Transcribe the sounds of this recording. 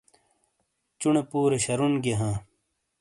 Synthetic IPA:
t͡ɕunɳepuːɾeɕɐɾunɡeɦãː

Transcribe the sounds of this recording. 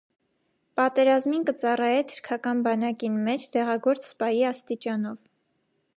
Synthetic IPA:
pɑt̪ɛɾɑzminkət͡sɑrɑjɛt̪ʰə̥ɾkʰɑkɑnbɑnɑkinmɛt͡ʃʰt̪ɛʁɑɡɔɾt͡sspɑjiɑst̪it͡ʃɑnɔv

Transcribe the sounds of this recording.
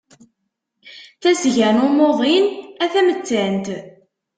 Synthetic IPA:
θæzʝənʊmoʁˤinæθæmət͡sːænt̪

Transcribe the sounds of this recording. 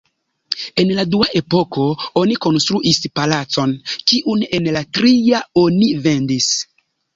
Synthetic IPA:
e̞nladuaʔe̞po̞ko̞oniko̞nstɾuʔispalat͡so̞nkiʔune̞nlatɾiaonive̞ndis

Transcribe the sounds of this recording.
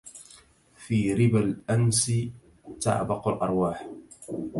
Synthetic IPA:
fiːɾɪbalʔansi | ta̰ʕbɑqʊlʔɑɾˤwaːħ

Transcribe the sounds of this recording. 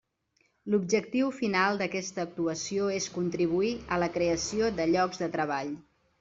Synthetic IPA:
lub̚ʒək̚t̪iwfinalˠd̪əkɛst̪əːk̚t̪uəsioeskunt̪ɾiβ̞uiələkɾeəsioðəʎɔɡzðət̪ɾəβ̞aʎ

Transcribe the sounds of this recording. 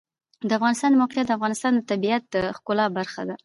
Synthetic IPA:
d̪əafɣɑnɪst̪ɑnd̪əmawqjat̪̚d̪afɣɑnɪst̪ɑnd̪ət̪abiat̪̚d̪əxkʊlɑbaɾxa̰d̪a

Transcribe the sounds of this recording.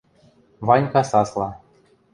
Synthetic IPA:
βɑnʲkɑsɑslˠɑ

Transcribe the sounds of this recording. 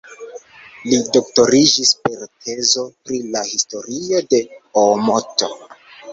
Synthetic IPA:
lidokto̞ɾid͡ʒispe̞ɾtʰe̞zo̞pɾilahisto̞ɾio̞de̞omoto̰

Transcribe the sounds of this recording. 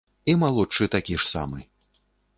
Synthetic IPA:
imalˠut͡ʂɨt̪akʲiʂsa̰mɨ

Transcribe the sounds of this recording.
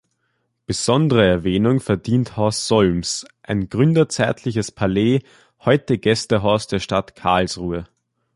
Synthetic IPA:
b̥əz̥ɔndəʁəɛɐvɛːnʊŋfɛɐdiːnthɔɐsz̥ɔlmsʔaɪnɡ̥ʁʏndɐt͡sɛɐtʰlɪçəspʰaleː | hɔʏtəɡ̥ɛstəɦɔʊsd̥eːɐʃtatkʰa̰ɐlsʁuːə

